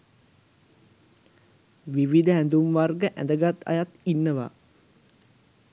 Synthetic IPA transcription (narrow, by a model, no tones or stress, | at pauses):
ʋiʋid̪əænd̪umʋarɡəʔæ̰nd̪əɡat̪ːa̰jat̪inːəʋa̰ː